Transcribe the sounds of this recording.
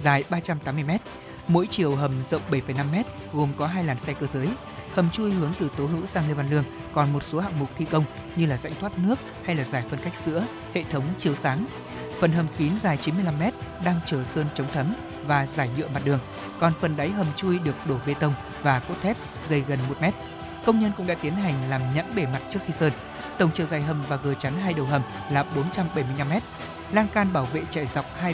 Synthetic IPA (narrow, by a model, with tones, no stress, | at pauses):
zaː˨˩jɓaː˧t͡ɕa˧mt̪aː˨˦mː˧ə˧jmɛ˦˥t̚ | mo̰˧˥jt͡ɕi˨˩əwɦə˨˩mzə̰˧˨wŋ͡mɓə˧˩jfə˨˩jna˧mːɛ˦˥t̚ | ɣo˨˩mkɔ˨˦ɦaː˧jlaː˨˩nsɛ˧kəː˧zəː˨˦j | hə˨˩mt͡ɕu˧jhɨ˨˦əŋt̪ɨ˨˩t̪o˨˦ɦɨ̰˧˥saː˧ŋli˧va˧nlɨ˧əŋ | kɔ˨˩nmo˨˩t̚so˨˦ha̰˧˨ŋmʊ˨˩k͡p̚t̪ʰi˧kə˧wŋ͡m | ɲɨ˧laː˨˩za̰˧˥jŋt̪ʰwaː˦˥t̚nɨ˦˥ək̚ha˧jlaː˨˩zaː˧˩jfə˧nka˦˥jk̚z̥ɨ̰˧˥ə | hḛ˧˨t̪ʰə˨˦wŋ͡mt͡ɕi˨˩əwsaː˨˦ŋ | fə˨˩nɦə˨˩mk̪i˨˦nzaː˨˩jt͡ɕi˨˦nmɨ˧jla˧mːɛ˦˥t̚ɗaː˧ŋt͡ɕəː˧˩səː˧nt͡ɕə˨˦wŋ͡mt̪ʰə˨˦m | vaː˨˩zaː˧˩jɲɨ̰˧˨əma˨˩t̚ɗɨ˨˩əŋ | kɔ˨˩nfə˨˩nɗa˨˦jɦə˨˩mt͡ɕu˧jɗɨ˨˩ək̚ɗo˧˩ɓe˧t̪ə˧wŋ͡m | vaː˨˩ko̰˦˥t̚t̪ʰɛ˦˥p̚ | zə˧jɣə˨˩nmo˨˩t̚mɛ˦˥t̚ | kə˧wŋ͡mɲə˧nkʊ̰˧˥ŋ͡mɗaː˧˥t̪i˨˦ənɦa˨˩jŋ̟laː˨˩mɲə̰˧˥nɓe˧˩ma˨˩t̚t͡ɕɨ˦˥ək̚xi˧səː˧n | t̪ə˨˩wŋ͡mt͡ɕə˨˩wzaː˨˩jɦə˨˩mvaː˨˩ɣəː˨˩t͡ɕa˨˦nɦaː˧jɗə˨˩wɦə˨˩m | laː˨˩ɓo˨˦nt͡ɕa˧mɓə˧˩jmɨ˧jɲna˧mɛ˦˥t̚ | laː˧ŋkaː˧nɓaː˧˩wvḛ˧˨t͡ɕa̰˧˩jza˨˩wk͡p̚haː˧